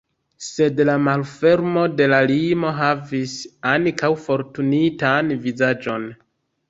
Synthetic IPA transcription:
se̞dlamalfe̞ɾmo̞de̞lalimo̞ɦavisankawfo̞ɾtunitanvizad͡ʒo̞n

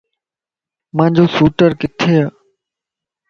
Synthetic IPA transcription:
mãːd͡ʑoːsuːʈəɾkɪt̪ʰeːaː

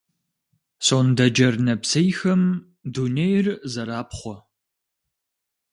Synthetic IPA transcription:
soːndɐd͡ʒɐrnɐpsejxɐm | dunejrzɐɾaːpχʷɔ

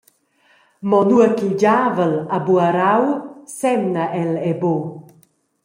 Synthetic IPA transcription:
mɔnuəkiɟavəlabuaɾawsɛmnəʔɛlɛbo

